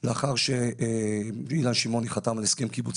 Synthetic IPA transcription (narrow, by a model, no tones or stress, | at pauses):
leaχaʁʃe | ilanʃimo̞niχat̪amaleskemkibut͡s